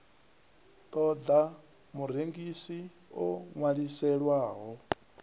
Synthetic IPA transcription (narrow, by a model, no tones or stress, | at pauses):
t̪ʰʼɔd̪a | muɾ̤eŋɡisi | ɔŋwaɺisɛɺwaːɦɔ